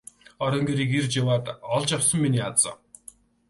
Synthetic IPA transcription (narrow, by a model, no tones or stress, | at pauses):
ɔɾʲɞ̆ŋɡeɾiːkert͡ɕawaːt̪ɔɮt͡ɕjawsə̆mːiniːat͡sə̰̆ː